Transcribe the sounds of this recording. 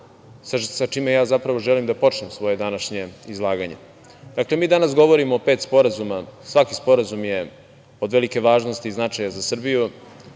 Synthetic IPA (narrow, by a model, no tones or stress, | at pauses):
sasat͡ʃiːmejaːzapɾaʋoʒɛlimd̪apo̞t͡ʃnemsʋo̞je̞d̪anaʃɲe̞izlˠaːɡaɲe̞̰ | d̪̥akle̞miːd̪anasɡo̞ʋo̞ɾimoːpet̪spo̞ɾazumasʋakispo̞ɾazumje | od̪ʋelike̞ʋaːʒno̞st̪iznat͡ʂajazasr̩biju